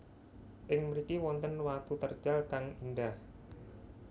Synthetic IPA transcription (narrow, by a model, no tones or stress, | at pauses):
ʔɪŋməɾikiwɔnt̪ənwat̪ut̪ərd̥ʒ̥alkaŋindah